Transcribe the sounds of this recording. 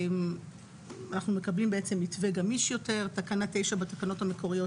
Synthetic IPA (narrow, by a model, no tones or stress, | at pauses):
m | anaχnume̞kablimbeet͡se̞mitveɡamiʃjo̞te̞ʁtakanat̪e̞jʃabetakano̞thameko̞ʁijo̞